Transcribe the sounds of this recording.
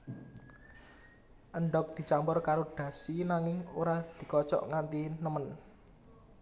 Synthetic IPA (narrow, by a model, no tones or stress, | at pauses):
ʔəɳɖɔk̚d̪̥i̤t͡ʃampɔrkaɾoɖ̥ä̤sinaŋɪŋoɾad̪̥i̤kɔt͡ʃɔ̰ʔŋant̪inəmən